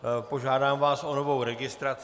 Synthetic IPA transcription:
po̞ʒaːdaːmvaːsonovowɾɛɡɪst̪ɾat͡s

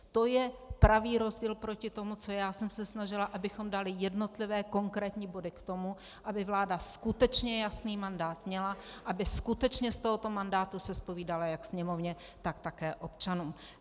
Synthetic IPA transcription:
t̪o̞jɛpɾaviːɾo̞zɟiːlpɾocɪt̪o̞mut͡so̞jaːsɛmsɛsnaʒɪlaʔabɪxo̞mdalɪjɛdno̞t̪lɪvɛːko̞ŋkɾɛːt̪ɲiːbo̞dɪkt̪o̞mu | ʔabɪvlaːdaskut̪ɛt͡ʃɲɛjasniːmandaːt̪mɲɛlaʔabɪskut̪ɛt͡ʃɲɛst̪o̞ɦot̪o̞mandaːt̪usɛspo̞viːdalajaksɲɛmo̞vɲɛt̪akt̪akɛːʔo̞pt͡ʃanuːm

